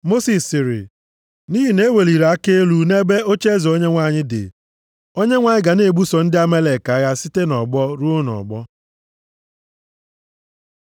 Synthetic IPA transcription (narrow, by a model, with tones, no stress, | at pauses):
mo˦si˨sːɪ˨ɾɪ̰˨ | ni˦ɦi˨ne˦we˨li˨ɾa˨a˦ke˦lu˦ne˦be˦o˦t͡ʃe˦zo˦ɲe˦ŋʷa˦˨ɲɪ˦dɪ̰˨ | o˦ɲe˦ŋʷa˨ɲɪ˦ɡa˨ne˨ɡ͡bu˦sɔ˨n̩˦dɪ˦a˦me˦le˨ka˨˦ja˦si˦te˦nɔ˨ɡ͡bɔ˦ɾu˦o˦nɔ̰˨ɡ͡bɔ˦